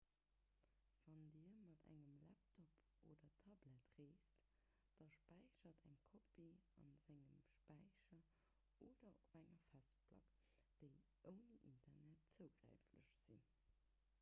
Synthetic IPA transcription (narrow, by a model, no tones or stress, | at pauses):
v̥ɑndiɐmɑtæ̰ŋəmlæp̚tʰɔp | oːdɐtʰɑblætʁeːst | d̥ɑʃpæɪɕɐtʰæŋkʰobiɑ̰nzæŋəmʃpæɪɕɐ | ʔoːdɐobæŋɐfæstplɑ̰k | d̥əɪ | ʔəʊniʔintʰɐnæt̚t͡səʊɡ̥ʁæ̰ɪflə̰ʃz̥ḭ